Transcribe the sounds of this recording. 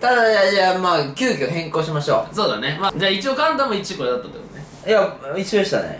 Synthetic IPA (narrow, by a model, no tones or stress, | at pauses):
t̪ad̪aajamaːkʲɨːkʲoɦẽ̞ŋkoːɕimaɕo̞̰ːso̞ːd̪ane̞maːd͡ʑaːit͡ɕio̞kãnt̪ãmoit͡ɕiiko̞ɾed̪at̪ːat̪o̰jo̰ːne | jait͡ɕiod̪eɕi̥t̪a̰nḛ